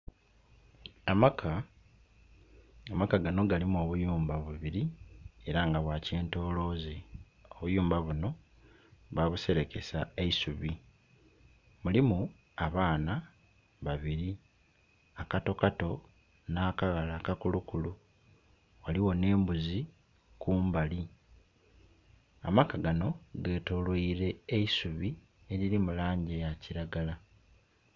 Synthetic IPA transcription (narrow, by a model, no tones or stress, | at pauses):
amakʰa | amakaɡano̞ɡalimuo̞βujuːmbaβuβiɾie̞ɾaŋɡaβwace̞ːnto̞ːlo̞ːze | o̞βujuːmbaβuno̞ | βaβuse̞ɾe̞ke̞saeisuβi | mulimu | aβaːna | βaβiɾi | akato̞kato̞ | naːkaɣalaːkakulukulu | waliwo̞ne̞ːmbuzi | kuːmbali | a̰makaɡano̞ɡe̞ːto̞lwoiɾe̞eisuβi | eɾiɾimulaːɲɟejaciɾaɡala